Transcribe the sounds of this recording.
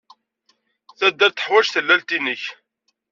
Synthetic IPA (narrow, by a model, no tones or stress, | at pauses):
θæd̪ːæɾt̪ə̥ħwæʒθəlːælt̪inəç